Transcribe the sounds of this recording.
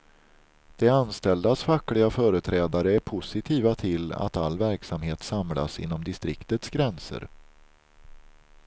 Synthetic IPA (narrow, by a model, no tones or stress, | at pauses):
d̪̥ɛanst̪ɛld̪asfaklɪɡafœːɾət̪ʰɾɛːd̪aɾəæɾpʰʊsɪt̪ʰiːvat̪ʰɪla̰t̪alːvæɾksamheːt̪samla̰sɪ̰nːɔmd̪ɪst̪ɾɪ̰kt̪ət̪sɡɾɛnsə̰ɾ